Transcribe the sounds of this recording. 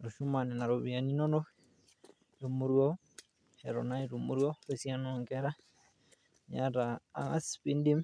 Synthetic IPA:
ɾo˨ʃu˦ma˨nɛ˨na˨ɾo˨βia˨ni˦no˦no˦ | ɾo˨muɾwɔ˦ | hɛ˨ɾɔ̰˨na˦iɾumu˦ɾwɔ˦ɾesja˦nɔŋɡɛɾa˦ | ɲa˦ɾa̰ː˨ŋa˦spi˦ndi˦m

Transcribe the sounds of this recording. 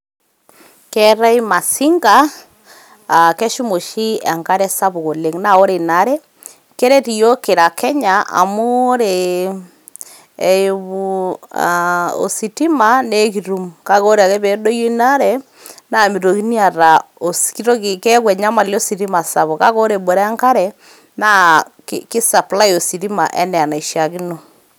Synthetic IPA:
kɛ˦ɾa˦i˦ma˨si˦ŋɡa˦˨ | kɛ˦ʃu˦mo˨ʃi˦a˨ŋɡka˦ɾɛ˦sa˦βo˨ɣo˨le˦ŋna˨o˦ɾe˨na˦ɾɛ˦ | kɛ˦ɾɛ˦ti˨jo˦ke˨ɾa˨kɛ˦ɲaa̰˨mo˦ɾe˨˦ | βua̰o̰˨si˨ti˦ma˨ne˦ki˨ɾu˦mka˦ko˦ɾe˦a˨ke˦βɛ˨do˦jo˦i˦na˦ɾɛ˦ | na˦mi˨ɾo˨ki˦ni˦a˨ɾa˨o˨ski˦ɾo˦kkɛ˦kwɛ˨ɲa˦ma˨lo˦si˨ɾi˦ma˨sa˨βo˨ka˦ko˦ɾe˨bo˨ɾa˦ŋka˦ɾɛ˨ | na˦kki˦sa˨pla˦jo˨si˨ɾi˦ma̰˨ʔɛ˦nɛ˨a˨na˨i˨ʃja˨ki˦no˨

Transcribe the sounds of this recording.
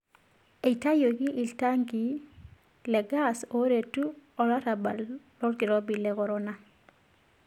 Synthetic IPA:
e˨i˨ta˦jo˨ki˦ʔi˨lta˦ŋɡi˨˦ | lɛ˨ɡa˦˨so˦ɾe˨tu˦ɔ˨la˦ta˨ba˨llɔ˦ɾɡi˨ɾɔ˦bi˨lɛ˦kɔ˨ɾɔ˦na˦

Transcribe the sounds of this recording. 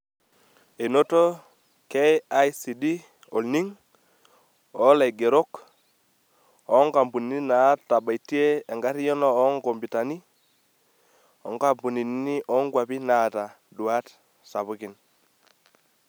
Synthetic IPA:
e˨no˦to˦ | ke˦a˦jsi˨di˦ | ɔ˨lni˦ŋ | ɔ˨˦la˨jɡe˨ɾo˦k | ɔ˦ŋɡa˨mbu˨ni˨˦ni˦na˨˦ta˨ɓa˨i˨ti˦e˦a˨ŋɡa˦ɾi˦jɔ˦nɔː˦ŋɡo˨mbi˨ta˨ni˦ | ɔ̰˨ŋɡa˦mbu˨ni˨n˦ni˦ʔɔ˦ŋɡwa˨pi˦na˨ta˨ | dwa˦t | sa˨βu˦ki˨n

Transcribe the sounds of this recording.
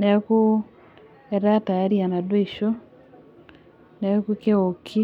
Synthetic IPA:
ne˨ku˦ | eɾa˦ta˨e˦ɾia˨na˨dwo˦iʃo˦ | ne˨kuke˦okʰi˦

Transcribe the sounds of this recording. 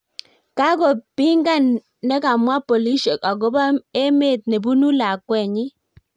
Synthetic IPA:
ka˦ko˨pɪ˦ŋɡa˦˨nː | ɛ˦ka˨mwa˦pɔ˨li˦ʃe˨ka˨ɡo˦ba˦e˦me˦˨t̪̚ne˨bu˦nu˦la˨kwɛ˨ɲɪ˦

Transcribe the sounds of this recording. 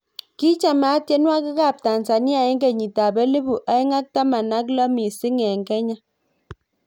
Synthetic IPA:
ki˦t͡ʃa˨ma˨˦tje˦nwa˦ki˦ka˦˨p̚ta˨nsa˨ni˦a˨e˦ŋɡe˨ɲi˨ta˨be˦li˦bu˨ʔa˨˦i˦ŋa˦k̚ta˦ma˨na˦k̬lɔ˦mi˨si˦ŋɛ˨ŋkɛ˦ɲa˦

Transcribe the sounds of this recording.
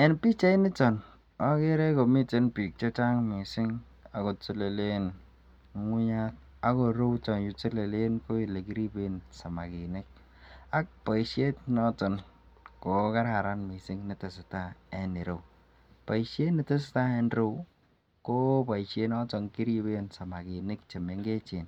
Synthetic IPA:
ɛ˨npi˦t͡ʃa˦i˦nɪ˦tɔ˨n | ɔ˦ke˦ɾɛ˦ko˨mi˦te˦npi˨k̚t͡ʃɔ˦t͡ʃa˦ŋmi˨sɪ˦ŋ | a˨ko˨tɪ˦le˨le˦n˦ | ŋʷu˦ɲa˦t̚ | a˨˦ko˨ɾo˦wt͡ʃɔ˨nju˨t͡ʃe˦le˨le˦nko˦i˨le˨ki˦ɾi˦be˦nsa˨ma˨kɪ˨nɪ˦k̚ | a˦k̚pa˨i˨ʃe˦tnɔ˦tɔ˨nko˨˦ka˦ɾa˨ɾa˦nmɪ˨sɪ˦ŋni˨˦tɪ˨sɪ˨ta˦ɛ˨ni˨ɾo˨ | pa˨ʃe˦nɪ˨te˦s̬ɪ̥˨˦ta˦ɛ˦nɾo˦ | ko˦pa˨i˨ʃe˦nɔ˦tɔ˨ŋki˦ɾi˦be˦nsa˨ma˨ki˨nɪ˦k̚t͡ʃe˨me˨ŋɡe˦t͡ʃe˨n

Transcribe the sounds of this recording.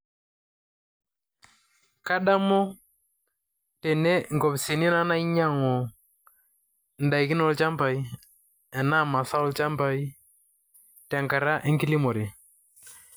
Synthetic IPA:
ka˦ɗa˦mɔ˦ | tɛ˨ne˦ŋ˨kɔ˨psi˨ni˦na˦na˦i˦ɲa˦˨ŋɔ˨ | n̩˨da˨i˨kɪ˦nɔ˦lt͡ʃa˦mpa˨i˦ | ɛ˨na˦˨ma˨sa˦ɔ˦lt͡ʃa˦mpa˨i˦ | tɛ˨ŋka˨ɾa˦ʔe˦ŋki˦li˦mɔ˨ɾi˨

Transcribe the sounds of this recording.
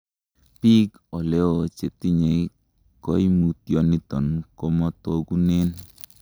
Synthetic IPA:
pi˦k | ɔ˨lɛ˦ot͡ʃe˨ti˦ɲe˨ | kɔ˦i˦mu˨tjo˨ni˦tɔ˨nkɔ˦mɔ˦to˦ɡu˦ne˦n

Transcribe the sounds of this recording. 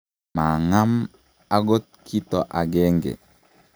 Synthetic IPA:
ma˨ŋa˦m | a˦ɡo˦t̚kʰi˦to˨ʔa˨ɡe˦ŋɡḛ˨

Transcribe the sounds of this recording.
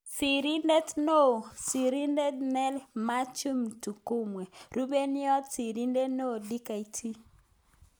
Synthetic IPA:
si˨ɾi˦nde˦tno˦˨si˨ɾi˦nde˦tnɛ˦lma˦t͡ʃu˦mtu˨ko˦mwe˨ɾu˦be˦nɪ˦ɔ˦tsi˨ɾi˦nde˦no˦˨di˦ka˨i˨tʰi˦

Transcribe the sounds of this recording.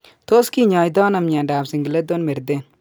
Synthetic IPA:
t̪o˦ski˦ɲaːjd̪aː˦nɐmɲa˨nɖaː˨bsi˨ŋɡle˦d̪onme˨ɾd̪en

